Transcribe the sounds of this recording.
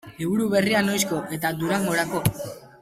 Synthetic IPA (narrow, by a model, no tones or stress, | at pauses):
iβuɾuβe̞riano̞jsko̞ʔe̞t̪ad̪uɾaŋɡo̞ɾako̞